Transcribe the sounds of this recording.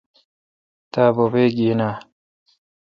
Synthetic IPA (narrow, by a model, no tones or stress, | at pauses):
t̪aːbobeːɡiːna